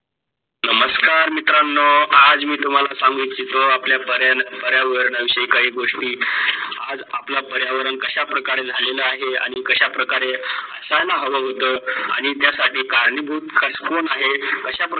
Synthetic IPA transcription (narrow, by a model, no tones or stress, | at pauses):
nəməskaɾmit̪ɾanːɔad͡zmiːt̪um̤alasaŋɡitt͡ɕit̪oapljapəɾjanpəɾjaʋəɾəɳəʋiɕəikaɦiːɡoʂʈiːa̰d͡zaplapəɾjaʋəɾəɳkəɕapɾəkaɾed͡zʱaleləaɦea̰ɽ̃ikəɕapɾəkaɾeəsanaɦəʋəɦot̪əːa̰ɽ̃it̪jasaʈiːkaɾɳibʱuːt̪kʰəskonaɦekəɕap